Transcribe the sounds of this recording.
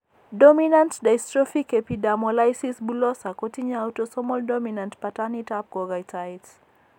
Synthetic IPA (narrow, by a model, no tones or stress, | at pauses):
dɔminãntdajstɹɔfikɛpidamɔlajsisbulɔsakotiɲawtɔsɔmɔldɔminantpatanitap̚kɔɡajtʰajts